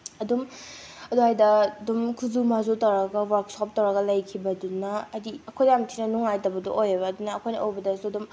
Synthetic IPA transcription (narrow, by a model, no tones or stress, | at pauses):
ɐdum | ɐduɦajdɐdumkʰuzumazotawɾɐɡɐwaɾk̚sɔp̚tawɾaɡɐlajkʰibɐdunɐɐdiɐkʰojdamtʰinɐnuŋajtɐbɐdṵʔojabɐdunɐkʰojnɐ̰ʔojbɐdɐsuɐdum